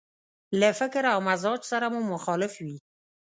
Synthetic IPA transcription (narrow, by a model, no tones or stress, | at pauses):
lafɪkɾawmazɑd͡ʒsaɾamumʊxɑlɪfwi